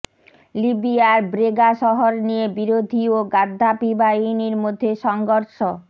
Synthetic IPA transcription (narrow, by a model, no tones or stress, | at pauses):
libiaɾbɾeɡaʃɔɦoɾnijebiɾod̪ʱioɡad̪ʱːapibainiɾmod̪ʱːeʃɔŋɡoɾʃo